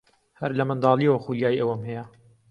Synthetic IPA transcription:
hɐɾlɐmɨnd̪ɑːliwɐxuljaːjiʔɐwɐmhɛjɛ

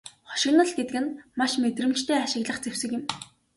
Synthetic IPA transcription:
χɔ̥ʃɪ̆ɣnə̆ɮɡet̪kɘ̆nmaʃmet̪rɘ̆m̥t͡ɕt̪ʰeːaʃɪ̆ɣɮə̆χt͡sew̥sɘ̆kjɪ̆m

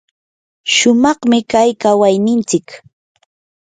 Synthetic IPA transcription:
ʃʊmɑχmɪkajkawajnɪnt͡sɪk

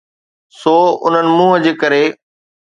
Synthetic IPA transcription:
soːʊ̰n̤ənɪ̆mũːɦəd͡ʑeːkɐɾe

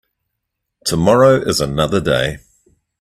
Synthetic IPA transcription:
tʰəmɒɹəʊʔɪzənʌðədeɪ

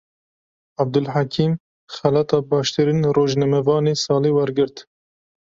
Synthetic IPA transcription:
ab̚d̪ʊlħakʰiːm | xælɑːt̪ɑːbɑːʃt̪ɨɾiːnroːʒnɛmɛvɑːneːsɑːleːwɛɾɡɨɾt̪

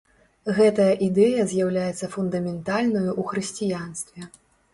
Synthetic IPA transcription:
ɣɛt̪ɐjɐʔid̪ɛjɐzʲjawlʲajɛt̪sːɐfund̪ɐmʲɛnt̪alʲnɐjuʔuxɾɨsʲt͡sʲijanst̪vʲɛ

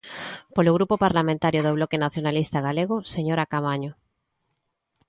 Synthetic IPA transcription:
poloɣɾupopaɾlamẽnt̪aɾjoðoβlɔkenaθjonalist̪aɣaleɣ̞ʊseɲoɾakaβaɲo

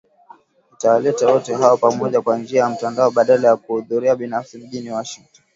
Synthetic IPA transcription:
itawalɛtawɔtɛɦaɔpamɔʄakwand͡ʒiajam̩tandaɔɓaɗalajakuhuðuɾiaɓinafsim̩ʄiniwɔʃiŋtɔn

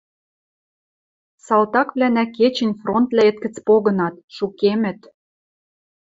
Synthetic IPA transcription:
sɑlt̪ɑkβlænæket͡ɕɘ̆nʲfront̪læet̪kə̆t͡spoɣɤ̆nɑt̪ʃukemɘ̆t̪

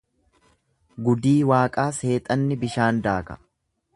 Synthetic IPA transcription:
ɡʊd̪iːwaːkʼaːse̞ːt̪ʼɐnːɪbɪʃaːnd̪aːkɐ̥̰

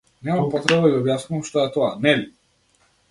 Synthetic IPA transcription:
nɛmampɔt̪ɾɛbad̪aɡiɔbjasnumʃt̪ɔɛt̪ɔanɛli

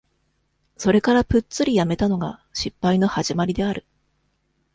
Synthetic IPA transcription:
so̞ɾe̞kaɾapɯ̟t͡st͡sɨɾʲijame̞t̪ano̞ɡaɕipːaino̞haʑimaɾʲid̪e̞aɾɯ̟

